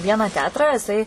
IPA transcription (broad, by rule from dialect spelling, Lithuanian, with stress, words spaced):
ˈʋʲiɛnɑː ˈtʲɛɐtrɑː jɪˈsɐɪ